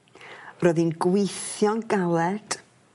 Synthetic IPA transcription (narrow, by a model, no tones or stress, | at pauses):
rɔːðinɡwɪθjɔnɡalˠɛd̥